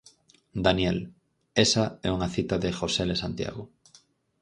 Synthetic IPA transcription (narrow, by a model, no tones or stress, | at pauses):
d̪anjɛl | esaɛuŋaθit̪aðexoselesant̪ja̰ɣʊ